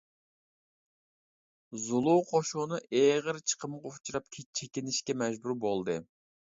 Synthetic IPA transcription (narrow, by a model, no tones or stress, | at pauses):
zulˠuwqʰoʃunɨʔeʁəɾt͡ʃʰə̥qʰəmʁoχt͡ʃʰuɾɑp̚kʲʰet͡ʃʰekʲɪnɪʃkʲɛmɛʒbuɾbolˠd̪ɨ